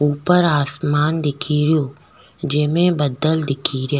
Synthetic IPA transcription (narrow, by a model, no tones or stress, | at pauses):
uːpəɾaːsmaːnd̪ɪkʰiɾɪjoː | d͡ʒeːmẽbɐd̪əld̪ɪkʰiɾɪjaː